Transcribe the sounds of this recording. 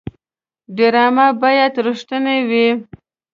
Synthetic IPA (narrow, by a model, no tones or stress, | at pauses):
ɖɪɾɑmabɑjat̪ɾʊʂt̪ənewi